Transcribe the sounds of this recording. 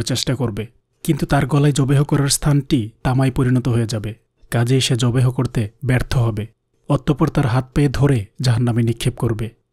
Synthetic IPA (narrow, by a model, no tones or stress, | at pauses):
ɾt͡ɕesʈakoɾbe | kint̪ut̪aɾɡɔlajd͡ʒɔbeɦokɔɾaɾst̪ʰanʈit̪amajpoɾinɔt̪oɦojed͡ʒabe | kad͡ʑejʃed͡ʒɔbeɦokoɾt̪ebɛɾt̪ʰoɦɔbe | ɔt̪ːopɔɾt̪aɾɦat̪̚peed̪ʱoɾed͡ʑaɦanːaminikʰːep̚koɾbe